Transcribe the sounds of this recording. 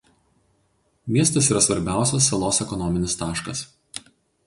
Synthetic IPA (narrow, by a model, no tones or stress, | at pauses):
mʲiɛst̪ɐsiːɾɐsʋɐɾʲbʲæˑʊsʲɛsːɐlˠoːsɛkɔnɔmʲɪnʲɪst̪ɑːʃkɐs